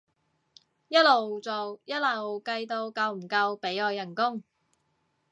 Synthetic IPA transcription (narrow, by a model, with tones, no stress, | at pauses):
jɐ˥t̚lo˨wt͡so˨wjɐ˥t̚lɐ˨˩wkɐ˧jt̪o˧wkɐ˧wm̩˨˩kɐ˧wpe˨˥jɔː˧jːɐ˨˩nkʊ˥ŋ